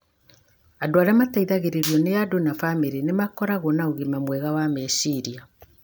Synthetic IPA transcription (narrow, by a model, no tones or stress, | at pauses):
adoaɾjamataiðaɣeɾeɾjɔnejadonafameɾenemakɔɾaɣonaoɣimamwɛɣawamɛsiɾia